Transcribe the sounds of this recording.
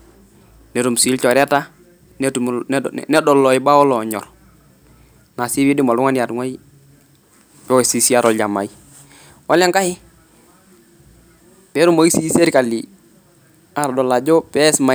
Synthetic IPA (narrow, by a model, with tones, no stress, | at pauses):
nɛ˨˦ɾu˨msi˨˦lt͡ʃɔ˨ɾɛ˦ta˦ | nt | nɛ˦dɔ˨lːɔ˨i˨ba˦ɔ˦lɔ˨ɲɔ̰˨ɾ | na˨si˦bi˦di˦mɔ˨lu˦ŋa˦nja˨tŋwa˦i˦ | pɛ˦ɔ˨si˦si˦a˦ɾɔ˨ld͡ʒa˨ma̰˨i˦ | wa˦lɛ˦ŋka˦hɪ˦ | pɛ˨˦ɾu˦mo˦i˦si˦se˦ɾka˨li˨ | a˨ɾdɔ˨la˨d͡ʒɔ˦pɛ˦sma˨